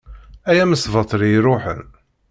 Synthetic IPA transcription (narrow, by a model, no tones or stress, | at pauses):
æjæməsvɑt̪ˤːɾiɾˤoħə̰n